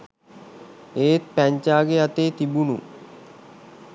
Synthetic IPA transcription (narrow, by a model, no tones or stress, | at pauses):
eːt̪̚pæɲt͡ʃaːɡeat̪eːt̪ibunṵ